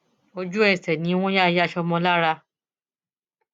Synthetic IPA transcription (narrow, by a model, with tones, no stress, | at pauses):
o˧d͡ʒu˦ɛ˦˨sɛ˨nĩ˨˦w̃ɔ̃˦ja˦˨˧ja˦˨ʃɔ˧mɔ̃˧la˦ɾa˧